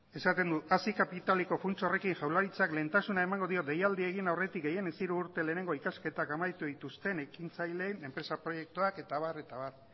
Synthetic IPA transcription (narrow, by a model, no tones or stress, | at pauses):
e̞sat̪e̞nd̪uasikapit̪aliko̞funt͡sore̞kinʝawlaɾit͡sakle̞ːnt̪asunae̞maŋɡo̞ð̞io̞t̪d̪e̞jald̪ieɣ̞inawre̞t̪ikɡe̞je̞nesiɾuːɾt̪e̞le̞ːne̞ŋɡo̞ikaske̞t̪akamajt̪uðit̪ust̪e̞ne̞kint͡sajle̞ne̞mpɾe̞sapɾo̞je̞k̚t̪uake̞t̪aβ̞are̞t̪aβar